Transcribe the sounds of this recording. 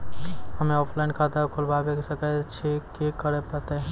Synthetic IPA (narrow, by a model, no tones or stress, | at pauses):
hɐmẽɔːpʰlaɪnkʰaːt̪akʰolbaːbeksɐkat͡ʃʰekekəɾepət̪eɦ